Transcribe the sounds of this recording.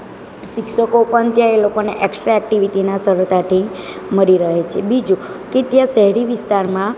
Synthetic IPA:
ʃikʃəkopəɳt̪jãelokoneʔɛksʈɾaɛk̚ʈiʋit̪inasəɾəɾt̪aʈʰi | məɾiɾəɦet͡ʃʰebid͡ʒu | ket̪jãʃəɦɛɾiʋɪst̪aɾmã

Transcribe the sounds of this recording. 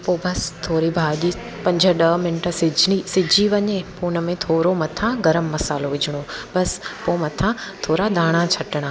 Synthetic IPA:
poːbɐst̪ʰoːɾibʱaːʄi | pɐ̃ɲd͡ʑʱə̆ɗɐmɪnʈəsɪd͡ʑisɪd͡ʑʱiʋɐɲepuːnə̆mẽt̪ʰoːɾomɐt̪ʰãɡɐɾəmːɐsaːloʋɪd͡ʑʱɪɽ̃obɐspoːmɐt̪ʰãt̪ʰoːɾad̪aːɽ̃at͡ɕʰɐʈɪɽ̃aː

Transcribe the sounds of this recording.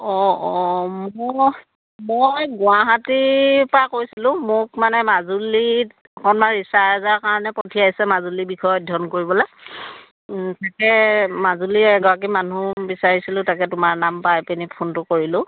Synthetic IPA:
ɔ | mɔ | mojɡʊaɦatipakoɹisilʊ̃mʊkmanɛmazuli | ɔkʰɔnmaɹisaɛzaɹkaɹɔnɛpɔtʰiajsɛmazulibikʰɔjɔdʱɔnkoɹibɔla | takɛmazuliɛɡɔɹak̬imanubisaɹisilʊ̃takɛtʊmaɹnampajpenipʰontʊkoɹilʊ̃

